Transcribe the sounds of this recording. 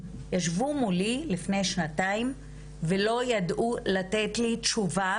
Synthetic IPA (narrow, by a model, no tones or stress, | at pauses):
jaʃvumulilifne̞jʃnataim | velo̞jadʔulatetlitʃuva